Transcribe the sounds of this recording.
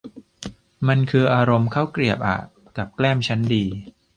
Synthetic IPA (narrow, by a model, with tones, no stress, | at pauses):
ma˧nkʰɯː˧ʔaː˧ɾo˧mkʰa˥˩wkɾi˨˩əp̚ʔa̰˨˩ | ka˨˩p̚klɛː˥˩mt͡ɕʰa˦˥ndiː˧